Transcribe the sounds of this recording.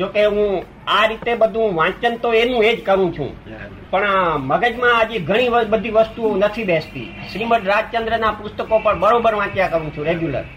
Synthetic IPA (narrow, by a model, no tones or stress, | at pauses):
d͡ʒokeɦũ | aɾit̪ebəd̪ʱũʋãt͡ʃənt̪oenũed͡ʒkəɾũt͡ʃʰṵ̃ | pəɳməɡəd͡ʒmãəd͡ʒeɡʱəɽ̃iʋəbəd̪ʱiʋəst̪uonət̪ʰibɛst̪ḭʃɾiməʈɾad͡ʒt͡ʃənd̪ɾənapʊst̪əkopəɳbəɾobəɾʋãt͡ʃjakəɾũt͡ʃʰũɾeɡjulə̰ɾ